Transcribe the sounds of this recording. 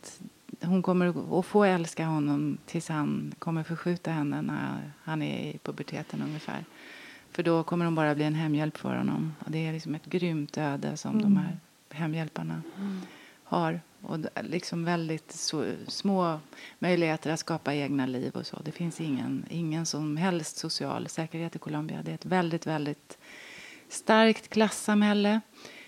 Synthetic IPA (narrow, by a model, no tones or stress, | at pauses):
t̪hʊnkʰɔmːəɾɔfoːɛlskaɦɔnːɔmt̪ʰɪlshankʰɔmːəɾfɔɧʉ̟ːt̪aɦɛnːənæ̰ɾhanæ̰ɪ̰pʰɵbæʈʰḛːt̪ʰənɵŋːəfæ̰ːɾfœɖɔkʰɔmːəɾhʊnbɑːɾabliːɛnɦɛmːjɛlpːfœ̰ɾhɔ̰nːɔ̰mɔ̰d̪ɛælɪksɔmɛt̪ɡɾʏmt̪ʰøːd̪ə̰sɔ̰md̪ɔmhæɾ | ɦɛmːjɛlpaɳa | haɾ | ɔ̰lɪksɔmvɛld̪ɪt̪ssmoːmœjlɪɡheːt̪əɾat̪skɑːpaeːɡnalḭːvɔ̰sɔ̰d̪ɛfɪnsɪŋːə̰nɪŋːənsɔmɦɛlst̪sʊsɪɑ̰ːlsɛːkəɾheːt̪ɛkʰʊlɔmbɪa̰d̪ɛɛt̪vɛld̪ɪt̪vɛld̪ɪt̪ | st̪aɾkt̪kʰlasːamhɛlːə